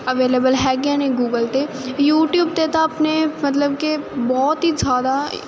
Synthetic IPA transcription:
ɐʋeːleːbəlɦɛːɡaːnẽɡuːɡəlt̪eː | juːʈjuːb̚t̪et̪aɐpnemɐt̪ləbkebɔːt̪ɦizaːd̪a

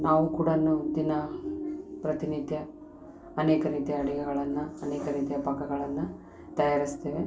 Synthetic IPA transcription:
naːʋukuːɽɐnːud̪inɐ | pɾɐt̪init̪jɐː | neːkɐɾiːt̪jɐːɽiɡɛɡɐɭɐnːuɐneːkɐɾiːt̪jɐpɐkːɐɡɐɭɐnːu | t̪ɐjaːɾist̪e̞ːʋe

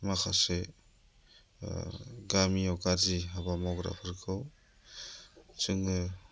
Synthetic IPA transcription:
makʰase | ɡamiɔwkaɾziɦabamawɡɾa̰pʰɯɾkʰɯw | t͡ʃɯŋɯ

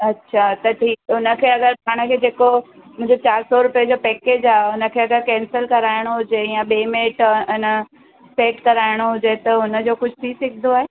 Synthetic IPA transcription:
ɐtːɕʰat̪ɐʈʰiːkʊnə̆kʰeːɐɡəɾpʰaːɽ̃ə̆kʰeːd͡ʑeːko | mʊ̃ɦɪ̃ɲd͡ʑot͡ɕaːɾsɔɾʊpijəd͡ʑoːpɛːkeːd͡ʑaːɦʊnə̆kʰeːɐɡəɾkɛ̃ːnsəlkɐɾaːɪɽ̃oɦʊd͡ʑeijãɓeːmeːʈɪnə | peːkkɐɾaːɪɽ̃oɦʊd͡ʑet̪ɐɦʊnə̆d͡ʑoːkʊd͡ʑʱt̪ʰisɪkʰd̪ʱoaːɦe

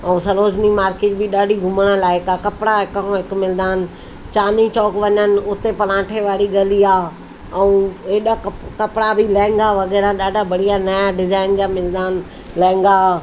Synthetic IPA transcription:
ɛ̃ũsɐɾoːd͡ʑnimaːɾkɪːʈ̚bɪɗaːɖʱiɡʱʊməɽ̃əlaːɪkakɐpɽaɦɪkõɦɪkmɪld̪aːn̆ | t͡ɕaːnit͡ɕɔːkʋɐɲənɪ̆ʊt̪epɐlãːʈʰeʋaːɽiɡɐliaː | ɛũeːɗakkɐpɽabʱɪlɛ̃ːɪ̃ŋɡaʋɐɣɛːɾaɗaːɖʱabɐɽ̤ijanɐjaɖɪzaːɪnd͡ʑaːmɪld̪aːn | lɛ̃ːŋ̆ɡa

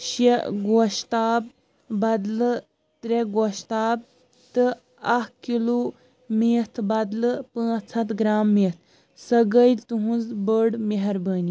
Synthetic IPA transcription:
ɕeɡoɕt̪aːb̚ | bɐd̪lə | t̪ɾeɡoɕt̪aːb̚ | t̪ɨ | akkilu | mit̪ʰbɐd̪ləpə̃t͡sʰɐt̪ɡɾamːit̪ʰ | sɐɡəit̪uɦũd͡zbəɽmeɦɐɾbəni

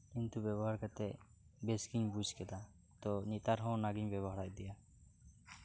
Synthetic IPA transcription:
kint̪ubjɛβɔɦaɾkat̪ɛ | beskiɲbud͡ʒʱkɛd̪a | t̪ɔnit̪aɾɦɔ̃wnaɡiɲbɛbɔɦaɾajd̪ɛja

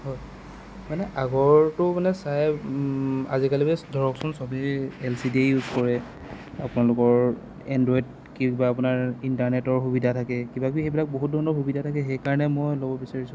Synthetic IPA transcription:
hɔj | manɛʔaɡɔɹtʊmanɛsaj | a̰zikalibɛdʱɔɹɔksɔnsɔbiɛlsidejuzkɔɹɛ | a̰pʊnalʊkɔɹ | ɛndɹɔid | kikbaːp̬ʊnaɹintaɹnɛtɔɹxubidʱatʰakɛkibakixebilak̚boɦut̚dʱɔɹnɔɹxubidʱatʰakɛxɛjkaɹɔnɛmɔjlɔbɔbisaɹisʊ̃

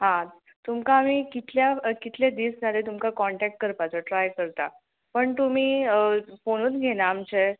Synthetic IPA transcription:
ɦã | t̪umkaːmiːkit̪ʰljakit̪ʰled̪iːsd͡zʱalet̪umkakɔɳʈæk̚ʈ̚kəɾpat͡səʈɾajkəɾt̪a̰ | pəɳt̪um̤iːfoɽ̃uːnɡʱeñaːmt͡ɕe

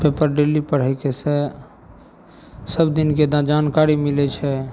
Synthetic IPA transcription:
pepəɾɖelipəɾ̤əɪkese | səbd̪inked̪ad͡ʒankaɾimilɛt͡ʃʰɛ

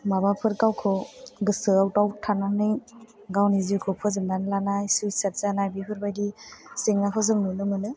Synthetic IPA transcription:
mabapʰɯɾkawkʰɔɡɯsɯawtawtʰananɯj | ɡawnizikʰɔpʰɯzɯmdanlanajsujsat̚zanajbipʰɯɾbajdiseŋnakʰɯzɯŋnɯnɯmɯnɯ

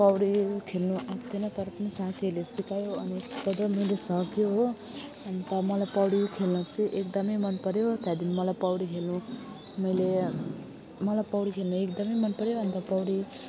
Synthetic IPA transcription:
pʌwɽikʰelnuat̪ʰenʌt̪ʌɾʌpnisat̪ʰiʌlesikajoʌnitʌd̪ʌmʌjlesʌkjoɦo | ʌnt̪ʌmʌlajpʌwɽikʰelnʌt͡sʰiʔekd̪ʌmʌjmʌnpʌɾjot̪jad̪inmʌlajpʌwɽikʰelnu | mʌjle | mʌlajpʌwɽikʰelnuekd̪ʌmʌjmʌnpʌɾjoʌnt̪ʌpʌwɽi

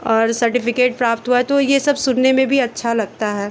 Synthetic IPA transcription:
ɔːɾsɐɾʈɪfɪkeːʈ̚pɾaːp̚t̪ɦuaɦɛt̪ojesɐbʱsʊnnemẽbʱiɐtːʃʰalɐɡ̚t̪aɦɛː

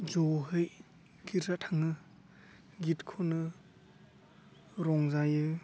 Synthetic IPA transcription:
zɔɦɯj | ɡ̥itɾatʰaŋɯ | ɡitkʰonɯ | ɾɔŋzajɯ

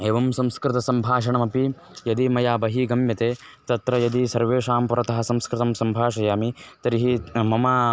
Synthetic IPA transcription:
eːʋɐmsɐmskɾɪt̪ɐsɐmbʱaːʃɐɳɐmɐpi | jɐd̪imɐjaːbɐɦiɡɐmjɐt̪eː | t̪ɐt̪ɾɐjɐd̪isɐɾʋeːʃaːmpuɾɐt̪ɐɦɐ̆sɐmskɾɪt̪ɐmsɐmbʱaːʃɐjaːmit̪ɐɾiɦimɐmaː

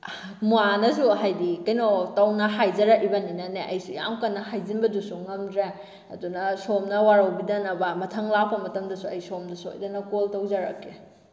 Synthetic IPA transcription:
muanɐsuɦajdikɐjnotɐwnɐɦajzɐɾɐk̚ibɐninɐneʔɐjsiɡia̰wkɐnːɐɦajzinbɐdusuŋɐmdɾe | ɐdunɐsomnɐwaɾɐwbidɐnɐbɐmɐtʰɐŋlapːɐmɐtɐmdɐsuɐjsomdɐsuo̰jdɐnɐkoltɐwzɐɾɐ̰kːe

